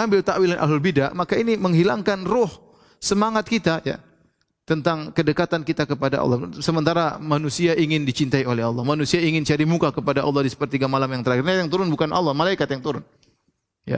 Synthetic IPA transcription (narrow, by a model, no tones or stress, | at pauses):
ambɪlt̪aʔwilanʔa̰ɦlʊlbidaʔmakainiməŋɦilaŋkanrʊh | səmaŋat̪̚kit̪aja̰ | t̪ənt̪aŋkədəkat̪ankit̪akəpadaʔɑ̰lˠːɔsəmənt̪aɾamanusiaʔiŋɪndit͡ʃint̪aiolɛɦɑlːɑhmanusiaiŋɪnt͡ʃaɾimukakəpadaʔɑ̰lˠːɑhdisə̥pərt̪iɡamalamjaŋt̪əɾaxɪrɲajaŋt̪uɾʊnbukanʔɑ̰lˠːɑhmalaikat̪jaŋt̪uɾʊn | ja̰